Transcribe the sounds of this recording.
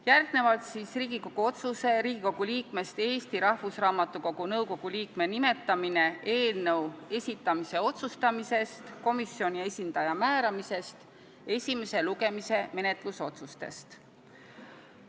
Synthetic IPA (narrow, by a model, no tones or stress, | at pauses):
jærɡ̥ne̞vɑlt̪siːsriːɡ̥iko̞ɡ̥uo̞t̪suse̞ɾiːɡ̥iko̞ɡ̥uliːkme̞st̪e̞ːsʲt̪iɾɑhvusrɑːmɑt̪ːˑuko̞ɡ̥unɤwko̞ɡ̥uliːkme̞nime̞t̪ːˑɑmine̞ʔe̞ːlnɤwe̞sʲit̪ːˑɑmise̞o̞t̪sust̪ɑmise̞st̪ko̞misjo̞nʲie̞sʲind̪̥ɑjɑmæːɾɑmise̞st̪ | e̞sʲime̞se̞luɡe̞mise̞me̞ne̞t̪ˑluso̞t̪sust̪e̞̰st̪